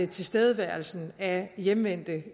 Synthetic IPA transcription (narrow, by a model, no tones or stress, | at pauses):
ət͡sʰe̝lsd̥eːð̞ˠəʋæɐ̰l̩sn̩æjemʋen̰d̥ə